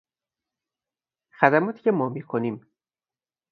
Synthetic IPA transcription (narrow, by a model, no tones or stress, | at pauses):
xæd̪æmɒːt̪ʰi̥ːcʰemɒːmiːkʰonim